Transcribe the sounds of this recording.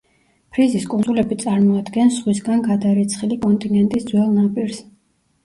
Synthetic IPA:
pʰɾiziskʼunzulɛbit̪sʼaɾmɔad̪ɡɛnsχwisɡanɡad̪aɾit̪sʰχilikʼɔnt̪ʼinɡɛnt̪ʼisd̪zwɛlˠnapʼiɾs

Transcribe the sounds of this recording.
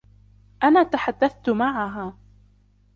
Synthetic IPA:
ʔanaːt̪aħad̪ːaθt̪ʊmaʕaɦaː

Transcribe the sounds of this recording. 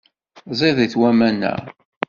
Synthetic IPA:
zˤɪðiθwæmænːæ̰

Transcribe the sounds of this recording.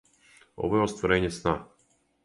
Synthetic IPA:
ɔ̰vɔjɛɔst̪vɔɾɛɲɛsna

